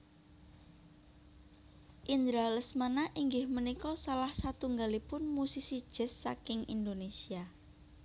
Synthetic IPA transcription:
ʔind̪ɾaləsmanaʔiŋɡɪhmənikɔsalahsat̪uŋɡalipʊnmusisid̥ʒ̥ə̤sːakɪŋḭnd̪onesia

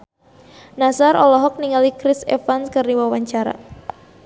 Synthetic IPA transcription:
nasaɾʔɔlɔɦɔk̚niŋalikɾɪsɛfanskɨrdiwawaɲt͡ʃaɾa̰

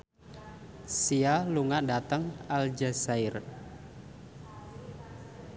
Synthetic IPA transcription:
sialuŋadat̪əŋald͡ʒasaɪr

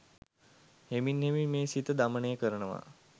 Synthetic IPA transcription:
heminɦemimeːsit̪əd̪aməɳejəkəɾəɳəʋa̰

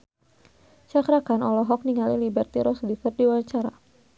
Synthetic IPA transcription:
t͡ʃakɾakanɔlɔɦɔk̚niŋalilibərt̪iɾɔsdifərdiwaɲt͡ʃaɾa̰

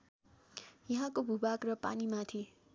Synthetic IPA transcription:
jʌɦãkobʱubakrʌpa̰nimat̪ʰi

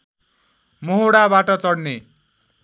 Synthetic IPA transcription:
moɦoɽabaʈʌt͡sʌɽne

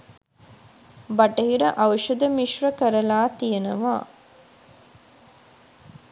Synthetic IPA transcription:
bɐʈɐɦiɾɐʔaʋəʂɐd̪əmiʃɾɐkəɾɐlaːt̪ijenɐʋa̰ː

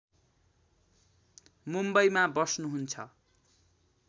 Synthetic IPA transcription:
mumbʌjmabʌsnuɦunt͡sʰʌ̰

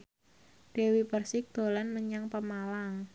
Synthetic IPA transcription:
ɖ̥e̤wipərsɪk̚d̪̥o̤lanməɲaŋpəmalaŋ

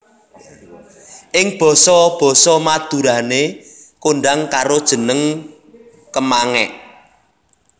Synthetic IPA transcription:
ʔɪŋb̥ɔ̤sɔb̥ɔ̤sɔmad̪̥uɾane | koɳɖaŋkaɾod̥ʒ̥ə̤nəŋ | kəmaŋɛʔ

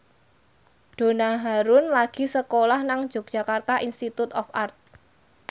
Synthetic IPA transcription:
ɖ̥o̤naɦaɾʊnlaɡ̥i̤səkolahnaŋ̥d͡ʒ̥ɔ̤k̚ʒ̥a̤kart̪aʔinst̪it̪ut̪ɔfart̪̚

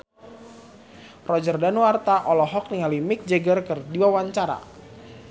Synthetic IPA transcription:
rɔd͡ʒərdanwart̪aʔɔlɔɦɔk̚niŋalimɪk̚d͡ʒəɡərkərdiwawaɲt͡ʃaɾa̰

